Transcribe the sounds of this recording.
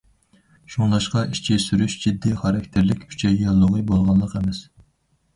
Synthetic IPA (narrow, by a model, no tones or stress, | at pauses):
ʃuŋlˠɑʃqɑʔiʃt͡ʃʰisyɾyʃd͡ʒid̪ːiχɑɾɑkʲt̪ʰɪɾlɪkʲʰy̥t͡ʃʰɛjɑlˠːoʁəbolˠʁɑnlˠəqemɛs